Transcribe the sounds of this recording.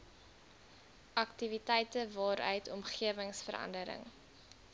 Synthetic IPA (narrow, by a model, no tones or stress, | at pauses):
ʔɐktivitɛjtəvɑːɾœ̰ɥtʰɔmχiəvəŋsfəɾɐ̰ndəɾə̰ŋ